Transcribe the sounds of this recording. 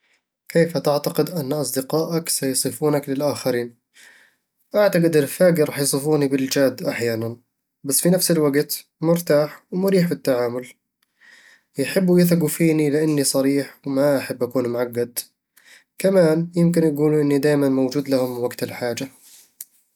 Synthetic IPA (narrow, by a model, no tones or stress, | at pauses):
keːfat̪aʕt̪aqɪd̪ʔanːʔɑsˤd̪ɪqɑːʔaksɑjsˤɨfuːnaklɪlʔaːxaɾiːn | ʔaʕt̪aqɪd̪ɪɾfaːɡiɾˤɑːħjsˤɨfuːnibɪld͡ʒaːd̪ːʔaħjaːnan | basːfinafsɪlwaɡt̪mʊɾt̪aːħwmʊɾiːħbɪt̪ːaʕaːmʊl | jɪħɪbːujɪθaɡufiːnilɪʔanːisˤɑɾiːħwmaʔaħɪbːʔakuːnmʊʕaɡːad̪ | kamaːnjɪmkɪnʔaɡuːluʔɪnːid̪aːjmanmowd͡ʒuːd̪lahʊmwaɡt̪ɪlħaːd͡ʒa